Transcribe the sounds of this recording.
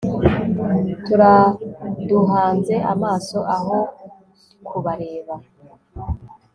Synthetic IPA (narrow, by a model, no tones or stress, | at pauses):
tuɾa | duɦaːnze̞ʔamaːso̞ʔaɦo̞ | kʰuβaɾeːβa